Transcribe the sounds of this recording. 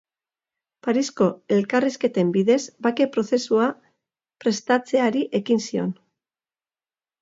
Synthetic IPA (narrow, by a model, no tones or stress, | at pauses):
paɾisko̞e̞lkariske̞t̪e̞mbiðe̞zbake̞pɾo̞θe̞sua | pɾe̞st̪at͡se̞aɾiʔe̞kinsio̞̰n